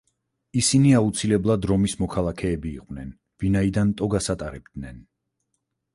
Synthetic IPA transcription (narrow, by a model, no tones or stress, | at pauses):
isiniaut̪sʰilɛblˠad̪ɾɔmismɔkʰalˠakʰɛːbiːqʼwnɛn | vinaid̪ant̪ʼɔɡasat̪ʼaɾɛb̚d̪nɛn